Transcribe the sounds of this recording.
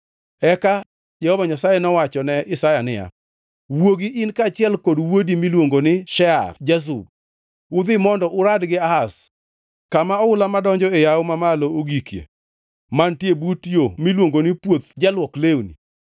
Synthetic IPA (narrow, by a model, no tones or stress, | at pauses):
ɛka | d͡ʒɛhɔvaɲasajɛnɔwat͡ʃɔnɛʔɪsajanɪja̰ | woɡiʔɪnkat͡ʃɪɛlkodwodimilwoŋɡonɪʃɛa̰rd͡ʒas̬ṵb̚ | ʊd̪ɪmɔndɔʔʊɾadɡɪaas | kamaɔʊlamadɔɲd͡ʒɔejaʊmamalooɡikjḛ | mantjebutjomilwoŋɡonɪpwot̪d͡ʒalwɔklewnḭ